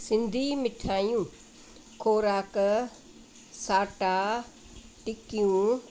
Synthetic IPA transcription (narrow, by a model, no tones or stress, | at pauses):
sɪ̃nd̪ʱiːmɪʈʰaːjũː | kʰoːɾaːk | saːʈaː | ʈɪkijũː